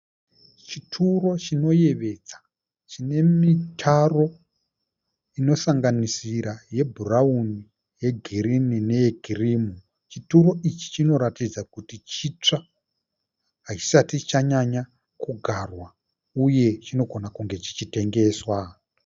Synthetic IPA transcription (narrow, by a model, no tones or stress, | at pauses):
t͡ʃitʰuɾo̞t͡ʃino̞je̞ʋe̞d͡za | t͡ʃine̞mitʰaro̞ | ino̞saŋɡanisiɾaje̞bʱurauni | jeɡʱiɾininejeɡʱirimu | t͡ʃituɾo̞ʔit͡ʃi̥t͡ʃino̞ɾatid͡zakutit͡ʃit͡ʂa | ɦat͡ʃi̥satit͡ʃaɲaɲa | kuɡʱarwa | uje̞t͡ʃino̞ɡʱo̞nakuŋɡe̞t͡ʃi̥t͡ʃite̞ŋɡe̞ːswa